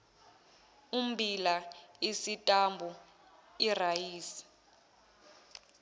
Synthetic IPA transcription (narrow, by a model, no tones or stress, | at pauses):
um̩bʱilaisitʼambʱu | irajiːsi̥